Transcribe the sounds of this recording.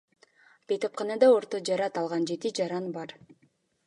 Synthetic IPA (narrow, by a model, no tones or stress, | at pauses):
b̥ejt̪op̚qɑnɑd̪ɑo̞ɾt̪od͡ʒɑɾɑt̪ɑlˠʁɑnd͡ʒe̞t̪id͡ʒɑɾɑnbɑɾ